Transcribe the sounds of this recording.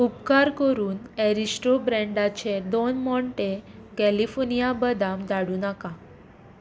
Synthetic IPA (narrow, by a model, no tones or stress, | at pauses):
upkaɾkəɾuːneɾisʈɾobɾɛ̃ɳɖat͡ɕed̪onmɔɳʈekɛlifɔɾnijabəd̪amd̪aɽuːnaka